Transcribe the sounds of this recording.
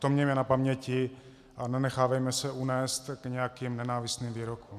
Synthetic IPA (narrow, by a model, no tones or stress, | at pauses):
t̪omɲɛjmɛnapamɲɛcɪ | ananɛxaːvajmɛsɛʔunɛːst̪kɲɛjakimnɛnaːvist̪niːmviːɾokum